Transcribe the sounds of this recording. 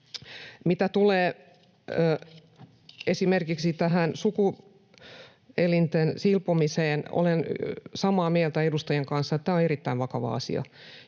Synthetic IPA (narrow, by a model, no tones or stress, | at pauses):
mit̪æt̪uleː | esimerkiksit̪æhænsuku | elint̪ensilpomiseːno̰lensɑmɑːmiælt̪æedust̪ɑjeŋkɑnsːɑet̪t̪æːoerit̪ːæiʋʋɑkɑʋɑ̰ɑ̰sḭɑ̰